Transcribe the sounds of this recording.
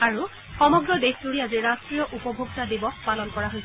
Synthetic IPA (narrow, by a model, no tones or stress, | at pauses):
aɹu | xɔmɔɡɹɔdexduɹiaziɹastɹijɔʔupɔbʱoɡtadibɔxpalɔnkɔɹaɦojsɛ